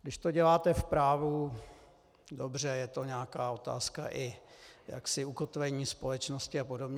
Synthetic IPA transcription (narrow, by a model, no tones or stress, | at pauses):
ɡdɪʃt̪o̞ɟɛlaːt̪ɛfpɾaːvu | dobr̝ɛjɛt̪o̞ɲɛakaːo̞t̪a̰ːska̰ʔɪja̰ksɪuko̞t̪vɛɲiːspo̞lɛt͡ʃno̞scɪapo̞do̞bɲɛ